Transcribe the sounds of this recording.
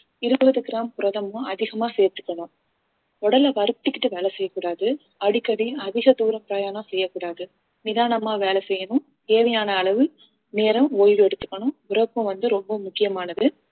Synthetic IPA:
ɪɾɯbɐðɯɡɪɾaːmpʊɾɐðɐmʊ̃ɐðɪɣɐmaːseːɾt̪ːɯ̥kːɐɳʊ̃ | ɔɽɐlɐʋɐɾɯp̚t̪ːɯkːɪʈːɯʋeːlɐsɛjːɐkːuːɽaːðɯ | ɐɽɪkːɐɽiɐðɪɣɐd̪uːɾɐmpɪɾɐjaːɳɐsɛjːɐkːuːɽaːðɯ | nɪðaːɳɐmaːʋeːɭɐsɛjːɐnʊ̃ | k̪eːʋɛjaːnɐːɭɐʋɯ | neːɾɐmoːjɪʋɯɛɽɯt̪ːɯ̥kːɐɳʊ̃ʋʊɾɐpːɯ̃ʋɐnd̪ɯɾɔmbɐmʊkːɪjɐmaːnɐðɯ

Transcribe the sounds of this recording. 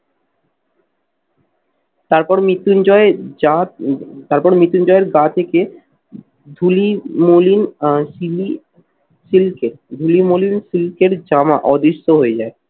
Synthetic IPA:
t̪aɾpɔɾmit̪ːund͡ʑɔeat̪aɾpɔɾmit̪ːund͡ʑɔeɾɡat̪ʰeke | d̪ʱulimolinsil | silkeɾd̪ʱulimolinsilkeɾd͡ʑamaʔɔd̪iʃːoɦoed͡ʑae

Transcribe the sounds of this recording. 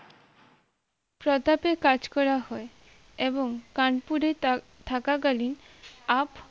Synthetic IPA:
pɾɔt̪apekad͡ʑkɔɾahɔe | eboŋkaɳpuɾe | t̪ʰakaɡalinap

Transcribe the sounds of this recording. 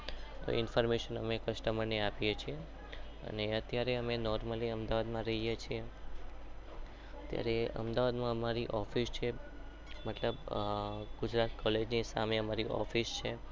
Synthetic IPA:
t̪o̰ɪnfɔɾmeʃənəmekəʃʈəməɾniapijet͡ʃʰie | ə̰neət̪jaɾeəmenɔɾməliəmd̪aʋad̪mãɾəɦijet͡ʃʰie | ət̪ja̰ɾeə̰md̪aʋad̪mãəmaɾiʔɔfist͡ʃʰe | mət̪ləb | ɡ̥ʊd͡ʒɾat̪kɔled͡ʒnisa̰meəmaɾiʔɔ̰fist͡ʃʰe

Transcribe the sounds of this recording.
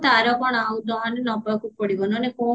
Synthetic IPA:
t̪aɾɔbɔɽ̃aaud̪ɔɦanenɔpɔkupɔɽibɔnɔneko

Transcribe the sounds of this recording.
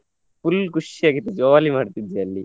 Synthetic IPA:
pulkuʂijaːɡit̪ːed͡ʒoːʋaːlimaːɽt̪id̪ːiɐlːi

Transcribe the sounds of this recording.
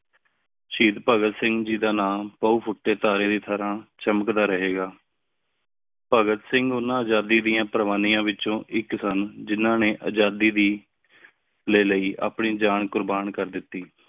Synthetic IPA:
ʃiːd̪pəɡət̪sɪ̃ŋɡd͡ʒiːd̪aːnaːpəuːpʰʊʈːeːt̪aːɾeːd̪iːt̪ʰəɾãːt͡ʃəməkd̪aːɾəɦeːɡaː | pəɡət̪sɪ̃ŋɡʊnːãːəd͡ʒaːd̪iːd̪ɪjãːpɾəʋaːniːãːʋɪt͡ʃõːʔɪksənd͡ʒɪnãːneːʔə̰d͡ʒaːd̪iːd̪iː | leːləiːʔa̰ːpɳiːd͡ʒaːɳkʊɾbaːɳkəɾd̪ɪt̪ːiː

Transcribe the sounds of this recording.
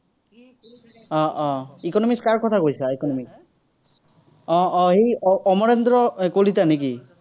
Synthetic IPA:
ɔʔɔ̃ikɔnɔmikskaɹkɔt̪ʰakojsaikɔnɔmiks | ɔ̃ɔɦejɔɔmɔɹend̪ɹɔkolit̪anek̬i

